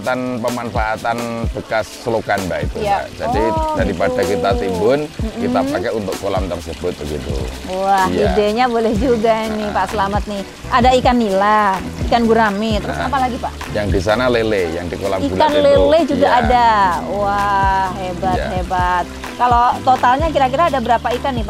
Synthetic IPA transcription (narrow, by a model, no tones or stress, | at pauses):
t̪anpəmanfaʔat̪anb̥əkasːəlokanba̰ḭt̪ujaa̰ʔd͡ʒa̰didaɾipadakit̪at̪imbʊnm̩kiapakɛunt̪ʊkːolamt̪aŋsəb̥ʊt̪̚bəɡḭt̪ṵ | wahjideɲabolɛhd͡ʒuɡainɪhpaʔsəlamat̪̚nɪh | ʔadaikanːila | ikanɡuɾamit̪əɾʊsapalaɡipaʔ | jaŋdisanaleleja̰ŋdikolamiulkanleled͡ʒuɡaːdawahhebat̪hebat̪̚ | kalot̪ot̪alɲak̬iɾak̬iɾaːdabəɾapaikanːɪhpa